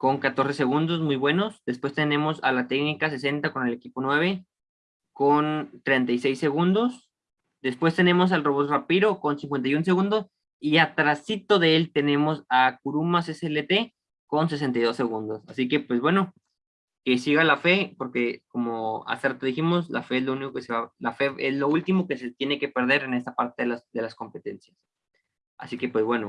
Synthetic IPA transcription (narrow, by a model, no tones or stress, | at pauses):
ko̞ŋkat̪oɾse̞se̞ɣund̪o̞zmujβwe̞no̞sd̪e̞spwe̞st̪e̞nẽ̞mo̞sa̰lat̪e̞knikase̞s̬e̞nt̪ako̞ne̞le̞kipo̞nwe̞β̞e̞ | kont̪ɾe̞nt̪ajse̞jsːe̞ɣund̪o̞s | d̪e̞spwe̞st̪e̞ne̞mo̞s̬alro̞βot̪rapiɾo̞ko̞nsiŋkwe̞nt̪ajuns̬e̞ɣund̪o̞s | iat̪ɾasit̪o̞ðeelt̪e̞nẽ̞mo̞sak̚uɾumaseseelet̪e̞ | ko̞ns̬e̞s̬e̞nt̪ajðo̞sːe̞ɣund̪o̞sasike̞pwe̞zβwe̞no̞ | ke̞siɣalafe̞po̞ɾke̞ko̞moa̰seɾt̪oðiximo̞sla̰fe̞ezlouniko̞keseβalafe̞ezlo̞ult̪imo̞ke̞set̪je̞ne̞ke̞pe̞ɾð̞e̞ɾe̞ne̞st̪apaɾt̪eðelasðe̞lasko̞mpe̞t̪e̞nsjas | a̰sike̞pwe̞zβwe̞no